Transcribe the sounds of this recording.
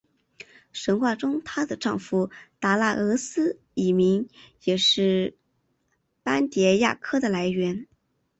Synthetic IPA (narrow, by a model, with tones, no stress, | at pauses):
ʂə˧˥nxwa˥˩ʈ͡ʂʊ˥ŋt̪ʰa˥d̪ə˨ʈ͡ʂɑ˥˩˧ŋfu˧˥t̪a˧˥la˥˩ɤ˧˥sɹ̩˥ | i˨˩mi˧˥ŋjɛ˨˩ʂɻ̩˥˩ | pa˥nt̪jɛ˧˥ja̰˥˩kʰɤ˥d̪ə˨la˧˥ɪɥɛ˧˥n